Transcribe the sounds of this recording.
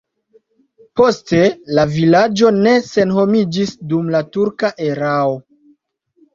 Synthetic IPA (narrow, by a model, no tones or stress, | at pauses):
po̞ste̞lavilad͡ʒo̞ne̞se̞nho̞mid͡ʒisdumlatuɾkaʔe̞ɾao̞